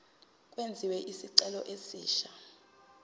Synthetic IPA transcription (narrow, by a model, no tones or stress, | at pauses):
kʼwend͡zʱiwɛʔisiǀɛlɔ̰ʔesiːʃa